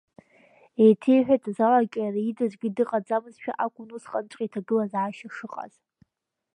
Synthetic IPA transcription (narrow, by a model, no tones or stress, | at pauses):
ejtʰejħᶣatʼzalakʲʼajraidɨzɡʲidɨqʼad͡zamɨzʃᶣa̰ʔakʷʼʊnusqʼant͡ʃʷʼqʲʼitʰaɡɨlazʕaʃaʂɨqʼa̰z̥